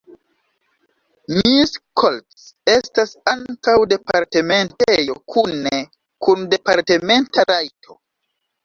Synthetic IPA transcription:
miskʰoltse̞stasaŋkawde̞paɾte̞me̞ntejo̞kʰune | kunde̞paɾte̞me̞ntaɾajtʰo̞̰

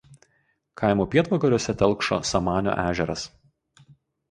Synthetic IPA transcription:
kʰɑɪmuːpʲiɛt̪ʋɐkɐɾʲuɔsʲɛt̪ʲɛlˠˑkʃo̰ːsɐmɑːnʲo̰ːʔæːʒʲɛɾɐs

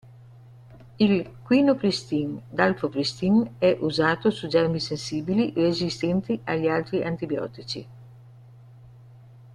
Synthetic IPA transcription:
ilkwiːnopɾist̪ind̪alfopɾist̪iŋɛʔuzaːt̪osud͡ʒɛrmisensiːbiliʔrezist̪ɛnt̪iʔaʎːialt̪ɾiʔant̪ibjɔ̰ːt̪it͡ʃḭ

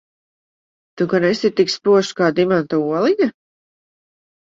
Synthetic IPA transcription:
t̪ukanesit̪ikspuɔʃkaːd̪imant̪auɔlˠiɲa

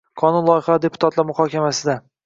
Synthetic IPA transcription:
kʰɒnunlˠɒjɪχaɪd̪e̞pʰʊ̥t̪ʰat̪lˠaɾmʊχhɒkʲamasɪd̪a

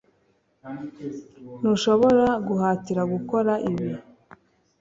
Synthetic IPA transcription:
nuʃo̞βo̞ɾaɡuɦaːciɾaɡuko̞ɾaʔiβi

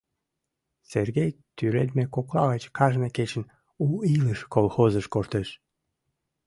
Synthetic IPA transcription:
serɣejt̪yɾed̪mekoklɑɣət͡ɕkɑʒneket͡ɕən | uiləʃkolxozəʃkoʃt̪eʃ

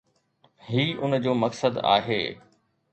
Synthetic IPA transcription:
ɦiːʔʊnd͡ʑoːmɐksəd̪a̰ːɦeː

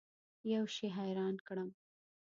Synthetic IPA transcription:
jawʃiɦajɾɑnkɽəm

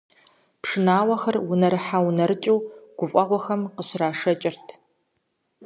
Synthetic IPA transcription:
pʂɨnaːwɐxɐrwʊnɐɾɨħawnɐɾɨt͡ʃʼiwɡ̥ʷʊfʼɐʁʷɔxɐmqəɕraːʂɐt͡ʃʼɪrtʰ

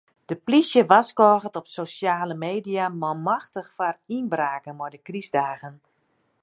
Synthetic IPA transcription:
d̥əplisjəʋaskɔːɣətɔpsosjaːləmeːdijamɔlˠmaxtəxfarinbraːkənmɔjdəkrizdaːɣən

